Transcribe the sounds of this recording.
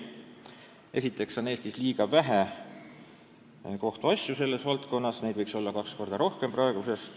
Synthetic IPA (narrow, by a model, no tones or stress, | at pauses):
e̞sit̪ˑːe̞kso̞ne̞ːst̪isliːɡ̥ɑvæɦe | ko̞ht̪uɑsʲjuse̞lːe̞svɑlt̪ko̞nːɑsne̞jd̪vɤjkso̞lːɑkɑksko̞rd̪̥ɑɾo̞hke̞mprɑeɡ̥use̞s